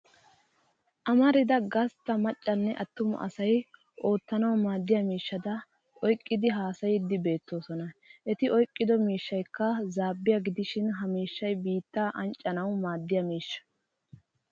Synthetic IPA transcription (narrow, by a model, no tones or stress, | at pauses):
ʔɐmɐɾɪd̪ɐɡɐst̪ːɐmɐt͡ʃʼːɐnːɛʔɐt̪ːʊmɐ̰ʔɐ̰sɐj | ʔo̞ːt̪ːɐnɐwmaːd̪ːɪjɐmiːʃːɐd̪ɐ | ʔɔjkʼːɪd̪ɪɦaːsɐjɪd̪ːɪbe̞ːt̪ːo̞ːsɔnɐʔɛt̪ɪʔɔjkʼːɪd̪ɔmiːʃːɐjkːɐzaːbːɪjɐɡɪd̪ɪʃɪnɦɐmiːʃːɐjbiːt̪ːaʔɐnt͡ʃʼːɐnɐwmaːd̪ːɪjɐmiːʃːɐ̥